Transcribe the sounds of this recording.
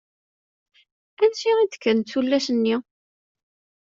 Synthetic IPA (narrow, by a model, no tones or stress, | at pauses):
ænʃiʁid̪kːənt͡sːulːæsənːi